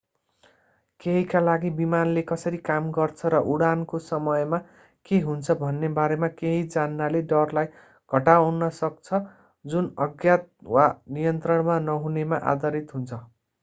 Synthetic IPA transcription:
keɦikalaɡibimanlekʌsʌɾikamɡʌrt͡sʰʌɾʌʔuɽankosʌmʌjma | keɦunt͡sʰʌbʱʌnːebaɾemakeɦid͡zanːaleɖʌrlaj | ɡʱʌʈawnːʌsʌk̚t͡sʰʌ | d͡zunʌɡjat̪̚wanijʌnt̪rʌɽmanʌɦunemaʔa̰d̪ʌɾit̪ɦunt͡sʰʌ

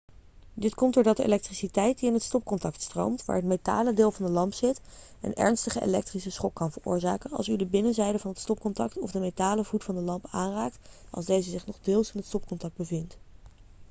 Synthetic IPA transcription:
dɪtkɔmtdʊːɹdɑt̚dəḛlɛk̚trisitɛjt̚diɪnɦətstɔp̚kɔntɑk̚tstro̰wmtʋa̰ːɹɦətmeta̰ːlədɪːlˠvɑndəlɑmpsɪt | ə̰nɛ̰ɹnstəχəʔḛlɛ̰k̚trisəsχɔkːɑnvəɹʊ̰ːɹzaːkənɑ̰lˠsydəbɪnəzɛjdəvɑnɦətstɔp̚kɔntɑk̚tɔ̰vdəmetaːləvutfɑndəlɑmpaːnraːk̚tɑ̰lˠzdejzəzɪχnɔχdɪːlˠsɪnɦətstɔp̚kɔntɑk̚d̚bəvɪnt

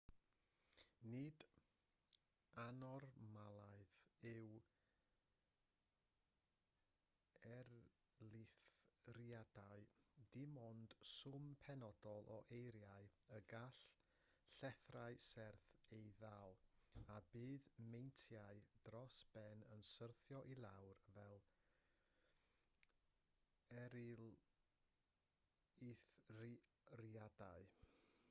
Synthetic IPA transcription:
nɨd | anɔrmalˠaɨðɪw | ɛr | lˠɪθriadaɨdɪmɔnd̥sʊmpʰɛnɔd̥ɔlˠʔɔ̰ʔejɾjaɨəɡaɬ | ɬɛθraɨsɛrθejðalˠabɨːðmejntʰjaɨd̥rɔsb̥ɛnənsərθjɔʔilˠawrvɛlˠ | ɛɾɪlˠ | iθ | riadaɨ

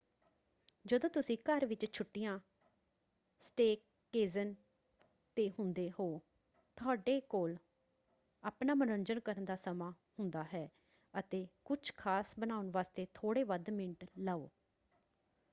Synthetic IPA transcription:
d͡ʒəd̪õːt̪ʊsĩːkəɾʋɪt͡ʃt͡ʃʰʊʈːɪjãː | sʈeːkː | eːzən | t̪eːɦʊnd̪eːhoː | t̪ʰʊaːɖeːkoːl | aːpnaːmənənd͡ʒənkəɾənd̪aːsəmãː | hʊnd̪aːɦɛː | ət̪eːkʊt͡ʃʰkʰaːsbənaːʊnʋaːst̪eːt̪ʰoːɽeːʋəd̪mɪɳʈləːo̰ː

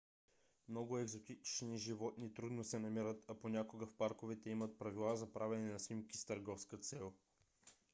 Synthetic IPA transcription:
mnɔɡʊɛɡzot̪it͡ʃniʒivɔt̪nit̪ɾud̪nosɛnɐmiɾət̪ʰɐponʲakoɡəfpaɾkovɛt̪ɛimət̪̚pɾɐvilˠazɐpɾavɛnɛnɐsnimkist̪əɾɡɔfskət̪sɛlˠ

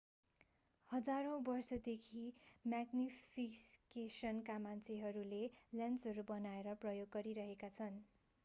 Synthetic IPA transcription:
hʌd͡zaɾõbʌrsʌd̪ekʰimaɡnipʰiskesʌnkamant͡sʰeɦʌɾuleljãnsʌɾubʌnaeɾʌprʌjoɡːʌɾiɾʌɦekat͡sʰʌn

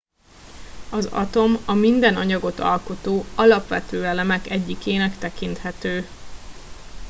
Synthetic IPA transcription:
ɒzɒ̰t̪o̞mɒmind̪ɛnɒɲɒɡo̞t̪ɒ̰lko̞t̪oːɒlɒpʋɛ̰t̪øːɛlɛmɛkɛɟːikeːnɛkt̪ɛkint̪hɛt̪øː

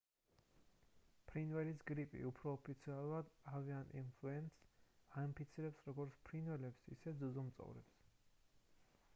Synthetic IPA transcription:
pʰɾinvɛlisɡɾipʼḭupʰɾɔːpʰit̪sʰialˠuɾad̪avianʔḭnpʰluɛnsaimpʰit̪sʰiɾɛpsɾɔɡɔɾt̪sʰpʰɾinwɛlɛpsḭsɛd̪zuzɔmt̪sʼɔ̰vɾɛ̰ps

